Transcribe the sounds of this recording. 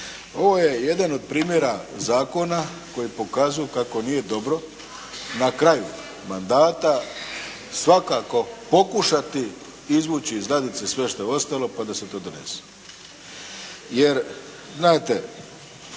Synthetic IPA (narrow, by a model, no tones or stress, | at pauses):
o̞ʋo̞je̞je̞d̪ano̞d̪̚pɾiːmje̞ɾazaːko̞na | ko̞jipo̞kaːzujukako̞nije̞d̪o̞bɾo̞ | nakɾaju | mand̪aːt̪a | sʋakako̞po̞kuʃat̪i | izʋuːt͡ɕizɡlad̪it̪sesʋe̞ʃt̪o̞eo̞st̪alo̞pad̪ase̞t̪o̞ːd̪one̞̰se̥ | je̞ɾ | znaːt̪e̞